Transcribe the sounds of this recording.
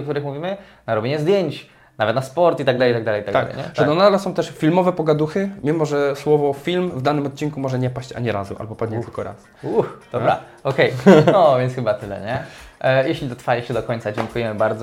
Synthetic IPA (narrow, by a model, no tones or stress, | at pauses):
ɔkt̪uɾɘxmuvʲimɘ | naɾɔbʲjeɲɛzd̪ʲjeɲt͡ɕ | navɛt̪naspɔɾt̪it̪aɡ̚d̪alɛjit̪aɡd̪alɛjit̪aɡ̪alɛ̰jɲɛ̰ʐɛnɔnad̪lɛsɔ̃w̃t̪ɛʂfʲilmɔvɛpɔɡad̪uxɘmʲimɔʐɛswɔvɔfʲilmvd̪anɘmɔt̪̚t͡ɕiŋkumɔʐɛɲɛpaɕt͡ɕa̰ɲɛɾazuʔa̰lbɔpad̪ɲɛt̪lkɔɾa̰s | uxd̪̥ɔbɾa̰ | ɔkɛjɔvʲjɛntsxɘbat̪ɘlɛ̰ɲɛjeɕlʲid̪ɔt̪faʐɛɕɛd̪ɔkɔɲ̃t̪sad͡ʑɛŋkujɛmɘbaɾd̪zɔ